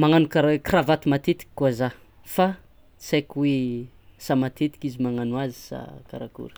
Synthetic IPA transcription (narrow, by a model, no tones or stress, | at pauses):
maŋanukaɾakravat̪imat̪et̪i̥kʲi̥kːuaza | fa | sakwe | samat̪et̪i̥kizimaŋanwazi̥sa̰kaɾakṵɾə̥